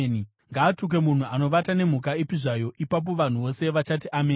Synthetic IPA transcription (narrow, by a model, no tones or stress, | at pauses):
ni | ŋɡaːtuk̬e̞mun̤uano̞ʋatane̞m̤uk̬aipiʐajo̞ʔipap̬o̞ʋan̤uʋo̞se̞ʋat͡ʃatiʔameː